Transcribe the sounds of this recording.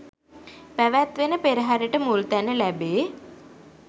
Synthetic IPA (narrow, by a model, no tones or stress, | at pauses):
pæʋæt̪ʋenəpeɾəɦaɾiʈəmult̪ænəlæbeː